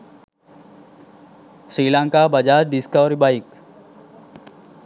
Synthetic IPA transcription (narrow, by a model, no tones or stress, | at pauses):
sɾiːlãːŋkaːbɐd͡ʒaːɾɖɪskəʋɾibaːik